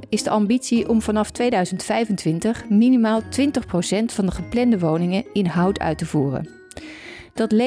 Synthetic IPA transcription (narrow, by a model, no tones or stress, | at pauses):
ɪzdəɑmbitsiʔɔmvɑnɑftʋejdœɥzəntfɛjvəntʋɪntəχminimaːlˠtʋɪntəχprosɛntfɑndəχəplɛndəʋownɪŋəɪnɦɑwtʰœ̰ɥtəvuːrə̰n | d̥ɑtle